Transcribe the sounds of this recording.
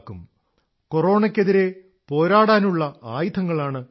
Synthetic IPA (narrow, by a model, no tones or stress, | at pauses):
kːum | ko̞ro̞ːɳɐkʲːeðiɾe̞ | po̞ːɾaːɽaːnuɭːɐaːjid̪ʰʱɐŋːɐɭaːɳɨ